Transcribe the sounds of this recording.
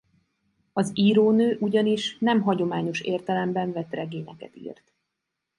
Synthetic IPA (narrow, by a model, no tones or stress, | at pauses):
ɒziːɾoːnøːʔuɟɒniʃnɛmɦɒɟo̞maːɲo̞ʃeːrt̪ɛlɛmbɛɱvɛt̪rɛɡeːɲɛkɛ̰t̪ḭːrt̪